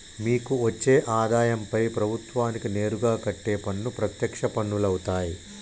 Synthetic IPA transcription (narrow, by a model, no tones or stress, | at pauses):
miːkuʋɐt͡ʃːe̞ːʔaːd̪aːjɐmpɐjpɾɐbʱut̪ʋaːnikine̞ːɾuɡaːkɐʈːe̞ːpɐnːupɾɐt̪jɐkʂɐpɐnːulɐwut̪aːji